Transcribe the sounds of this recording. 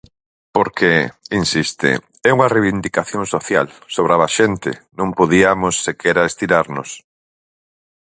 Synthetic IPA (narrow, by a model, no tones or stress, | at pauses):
poɾkʰeinsist̪ɪ̰ | ɛuŋɐreβind̪ikaθjõŋsoθja̰lsoβɾaβaʃent̪ɪ̰nõŋpoðiamosːekʰɛɾaest̪iɾaɾnos